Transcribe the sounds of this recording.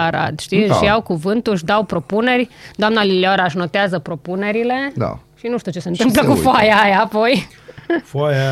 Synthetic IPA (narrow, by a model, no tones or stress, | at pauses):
aɾa̰t̪ʃt̪iʃjawkuvɨnt̪uɨʃ̬d̪awpɾo̞pune̞rʲd̪oamnalileoɾaʃ̬no̞t̪eazəpɾo̞pune̞ɾile̞d̪a̰ʃinuʃt̪iut͡ʃe̞se̞ɨnt̪ɨmpləkufoajajaːpo̞j | faja